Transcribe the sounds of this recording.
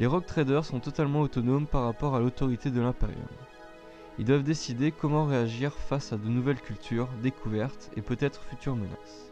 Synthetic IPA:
leʁɔk̚t̪χed̪œʁsɔ̃t̪ɔt̪almɑ̃ot̪ɔnompaʁːapɔʁalot̪ɔʁit̪ed̪əlɛ̃pḛʁjɔ̰m | ild̪wavd̪esid̪ekɔmɑ̃ʁeaʒiʁfasad̪ənuvɛlkʲylt̪ʰyʁd̪ekʰuvɛʁt̪ḛpøt̪ɛt̪χfyt̪yʁməna̰s

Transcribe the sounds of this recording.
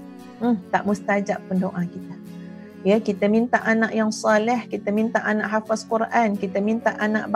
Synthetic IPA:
t̪aʔmust̪ad͡ʒaʔpːəndoʔakit̪a | jəkit̪əmint̪aʔanaʔjaŋsalɛhkit̪əmint̪aʔanaʔɦafaskurʔankit̪əmint̪aʔanaʔb

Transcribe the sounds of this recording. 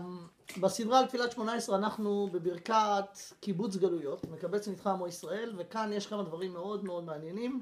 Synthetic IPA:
basid̪ʁalt̪filat̪ʃmo̞naesʁeanaχnube̞biʁkat̪kibut͡sɡalujo̞t̪mekabe̞t͡smit̪χamoisʁae̞lve̞kanjeʃkamad̪vaʁimːe̞o̞d̪meo̞d̪meanje̞nim

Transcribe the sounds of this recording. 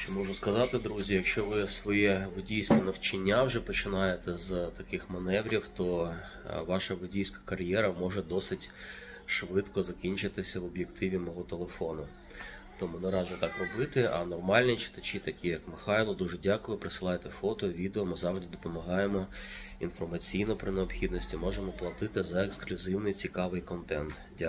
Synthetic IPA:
ʃt͡ʃɛmɔʒʊskɐzɑt̪ɪd̪ɾuzʲijɐkʃt͡ʃɔʋɪsʋɔjɛʋʊdʲijsʲkɔnɐwt͡ʃɪnʲːawʒɛpɔt͡ʃɪnɑjet̪ɛzt̪ɐkɪxmɐnɛʋɾʲiwt̪ɔ | ʋɑʃɐʋʊdʲijsʲkɐ̥kɐrʲjɛɾɐmɔʒɛd̪ɔsɪtʲ | ʃʋɪt̪kɔzɐkʲinʲt͡ʃɪt̪ɪsʲɐʋɔbʲjekt̪ʰɪʋʲimɔɦɔt̪elˠefɔnʊ | t̪ɔmunɐɾɑzʲɪt̪ɑkrɔbɪt̪ɪʔɐ̰nɔrmɑlʲnʲit͡ʃɪ̥t̪ɐt͡ʃʲit̪ɐkʲijɐkmɪxɑjlˠɔd̪uʐɛdʲakʊjʊpɾɪsɨlˠɑjet̪ɛfɔt̪ɔʋʲid̪eɔmɪzɑwʐd̪ɪd̪ɔpɔmɐɦɑjemɔ | infɔrmɐt͡sʲijnɔpɾɪneɔpxʲid̪nɔsʲtʲimɔʒemɔplˠɐt̪ɪt̪ɪzɐeksklʲʊzɪwnɪjt͡sʲikɑʋɪjkɔnt̪ɛnt̪ | dʲa

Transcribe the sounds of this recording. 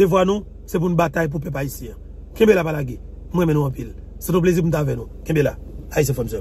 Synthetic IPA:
devwanũ | sɛp̬unũbat̪ajp̬upɛp̬aisjɛ̃ã | kẽbelapalaɡe | m̩wɛ̃menũɐ̃pil | sɛt̪ɔ̃plezipum̩n̩tavɛ̃nũkɛ̃belaais̬jɛ̃fɔmsɛm

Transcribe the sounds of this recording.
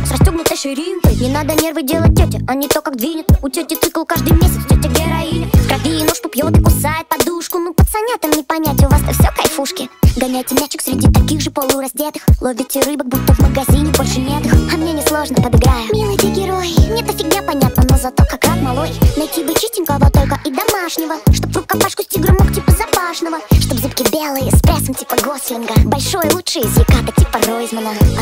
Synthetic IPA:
srɐsʲtʲoɡnʲʊt̪ɨʂɨɾʲimpɨjnʲɪnad̪ənʲe̞rvɨdʲelˠət̚ːʲotʲɪɐnʲit̪okakd̪vʲinʲɪt̪ʊtʲotʲɪt̪sɨklˠʊkaʐd̪ɨjmʲesʲɪt̪stʲotʲːɪɡɡʲeɾɐinʲɪkɾɐvʲiɪnoʂkʊpʲjot̪ɨkʊsajɪt̪̚pɐd̪uʂkʊnupət̪sɐnʲat̪əmnʲɪpɐnʲætʲʊvast̪əfsʲokɐjfuʂkʲɪɡɐnʲæjtʲɪmʲæt͡ɕɪksʲɾʲɪdʲit̪ɐkʲiɣʐɨpolˠɨɾɐsʲtʲet̪ɨ̥xlˠovʲɪtʲɪɾɨbək̚but̪ːəvməɡɐzʲinʲɪbolʲʂɨnʲet̪ɨxɐmnʲenʲɪslˠo̞ʐnəpəd̪ɨɡɾajʊmʲilˠɨt̪ʲiɡʲɪɾojɪnʲɛt̪əsʲɪɡnʲapɐnʲat̪̚nənozɐt̪okakrat̪mɐlˠojnɐjtʲibɨt͡ɕisʲtʲɪnʲkəvˠot̪o̞lʲkəʔid̪ɐmaʂnʲɪvəʂt̪o̞pvrʊp̚kapaʂkʊsʲtʲiɡɾɨmoktʲipəzapaʂnəvəʂt̪obzɨpkʲɪbʲelˠɨjəspɾʲesəmtʲipəɡosʲlʲɪnɡəbɐlʲʂojəlˠutʂɨjəzʲlʲɪkat̪ətʲipəroɪzmənə

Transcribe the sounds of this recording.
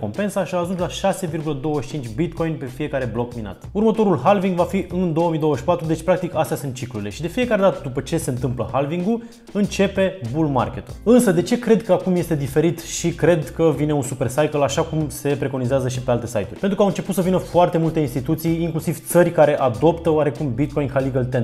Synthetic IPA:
ko̞mpe̞nsaʃiaːʒunslaʃase̞virɡuləd̪o̞wəʃi̥t͡ʃint͡ʃʲbit̪ko̞jnpe̞fije̞kaɾe̞blo̞kmina̰t̪urmət̪o̞ɾulɦalviŋɡvafiʔɨnd̪o̞womijd̪o̞wəʃi̥pat̪ɾud̪e̞t͡ʃʲpɾak̚t̪ikast̪ejasunt̪t͡ʃikluɾile̞̰ʃid̪e̞fije̞kaɾe̞d̪at̪əd̪upət͡ʃe̞se̞ɨnt̪ɨmplə̰hɦalviŋɡul | ɨnt͡ʃe̞pe̞bulma̰rkʲe̞t̪ulɨnsəd̪e̞t͡ʃe̞kɾe̞d̪kəakumje̞st̪e̞d̪ife̞ɾit̪ʃikɾe̞d̪kəvine̞unsupe̞rsajkəlaʃakumse̞pɾe̞ko̞nizeazəʃ̬ipe̞alt̪e̞sa̰jt̪ṵɾrʲpent̪ɾukawɨnt͡ʃe̞put̪səvinəfoart̪e̞mult̪e̞inst̪it̪ut̪sijːŋklusiv̥t̪sərʲkaɾe̞ʔad̪o̞pt̪əowaɾe̞kumbit̪̚ko̞jnhaliɡəlt̪en

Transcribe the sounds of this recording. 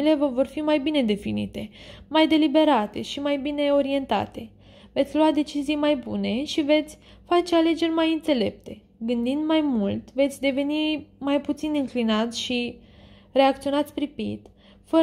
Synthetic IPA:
ile̞vəvo̞rfimajbine̞d̪e̞finḭt̪e̞majd̪e̞libe̞ɾat̪e̞̰ʃimajbine̞o̞ɾie̞nt̪a̰t̪e̞ | ve̞t̪sʲluad̪e̞t͡ʃizijmajbune̞ʃive̞t̪sʲ | fat͡ʃe̞ale̞d͡ʒe̞rʲmajɨnt̪se̞le̞p̚t̪e̞ | ɡɨnd̪ind̪majmult̪ve̞t̪sʲd̪e̞ve̞nimajput̪sinɨŋklinat̪sʲʃi | re̞ak̚t̪sio̞nat̪sʲpɾipḭt̪ | fə

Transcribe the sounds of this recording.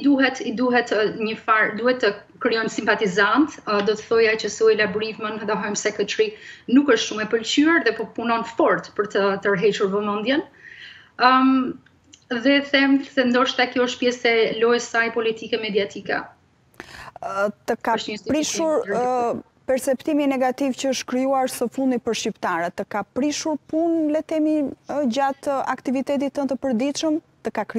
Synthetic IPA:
d̪uɦɛt̪id̪uɦɛt̪ɲəfaɾd̪uhɛt̪ːəkɾijɔjnsimpat̪izant̪d̪ɔt̪əθɔjajt͡ɕəsɔjlabɔɾivmənðɛɦɔjmsɛkət͡ʃɾinukəʃt̪ʃumɛpəlt͡ɕyaɾðɛpɔpunɔnfɔɾt̪pəɾt̪ət̪əɾɦɛt͡ʃuɾvɔmɔnd̪jɛn | ðɛθɛmsɛnd̪ɔʃt̪akjɔəʃt̪̚pjɛsɛlɔjɛsajpɔlit̪ikɛmɛd̪iat̪ʰikɛ̰ | t̪əkapɾiʃuɾ | pɛɾsɛpt̪iminɛɡat̪ivcəəʃt̪kɾijuaɾsəfund̪ipəɾʃipt̪aɾɛt̪ːəkapɾiʃuɾpunlɛt̪ɛmid͡ʑat̪a̰kt̪ivit̪ɛt̪it̪ːənt̪əpəɾd̪it̪ʃəmt̪əkakɾi

